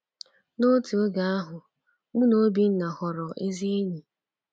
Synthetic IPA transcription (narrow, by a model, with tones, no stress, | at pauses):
no˦ti˨o˦ɡa˨a˦ɦʊ˨ | ŋ͡m̩˦no˦bi˦n̩˦na˨hɔ˨ɾɔ˨ʔe˦zi˦ɲi˨